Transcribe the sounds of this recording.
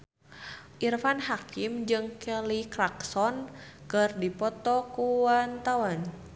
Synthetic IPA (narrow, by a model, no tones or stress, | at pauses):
ʔirfanhakimd͡ʒɨŋkɛlikɾaksɔn | kɨrdipɔt̪ɔkuwant̪awan